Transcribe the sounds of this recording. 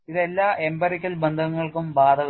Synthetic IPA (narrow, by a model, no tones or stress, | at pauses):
iðe̞lːaːe̞mbɐrikʲːɐlbend̪ʱɐŋːɐɭkumbaːd̪ʱɐɣ